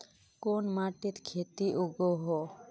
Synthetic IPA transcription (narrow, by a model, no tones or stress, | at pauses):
konmaʈiɾkʰet̪iʔuɡoɦo